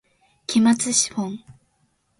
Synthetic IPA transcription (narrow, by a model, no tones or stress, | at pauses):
kʲimat͡sɨɕi̥hõŋ